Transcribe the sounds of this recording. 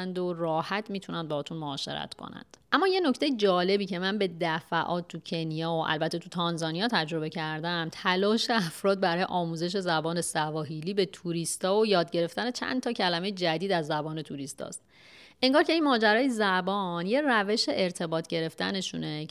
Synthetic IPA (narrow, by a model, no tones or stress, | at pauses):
nd̪o̞rɒːhæt̪ʰmiːt̪ʰunænd̪beɒːt̪ʰunmoɒːʃe̞̰ɾæ̰t̪ʰkʰo̞̰næ̰nd̪̥ʔæmːɒːje̞no̞cʰt̪e̞jed͡ʒɒːle̞biːce̞mænbe̞d̪æfæʔɒːt̪̚t̪ʰːucʰe̞nijɒːoʔæ̰lbæt̪ʰːet̪ʰut̪ʰɒnzɒːnijɒːt̪ʰæd͡ʒɾo̞be̞cʰæɾd̪æmt̪ʰælɒːʃeæfɾɒːd̪̚bæɾɒːjḛʔɒːmuːze̞ʃ̬e̞zæbɒːne̞sævɒːɦiliːbe̞t̪ʰuɾist̪ɒːojɒːd̪ɟe̞ɾe̞ft̪æne̞t͡ʃʰæ̰nt̪ʰɒːcʰælæmejed͡ʒæd̪iːd̪æzːæbɒːne̞t̪ʰuɾist̪ɒ̰ːst̪̚ | ʔeŋɡɒːɾcʰe̞inmɒːd͡ʒæɾɒːjezæbɒːnje̞ræve̞ʃe̞ʔeɾt̪ʰe̞bɒːt̪ʰɟe̞ɾe̞ft̪æne̞ʃṵːne̞